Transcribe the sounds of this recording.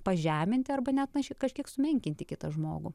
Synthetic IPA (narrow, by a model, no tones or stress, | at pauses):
pɐʒʲæːmʲɪnʲt̪ʲɪɐrbɐnʲɛt̪nɐʃʲɪkɐʃʲkʲiɛksʊmʲɛŋʲkʲɪnʲt̪ʲɪkʲɪt̪ɐʒmo̰ːɡʊ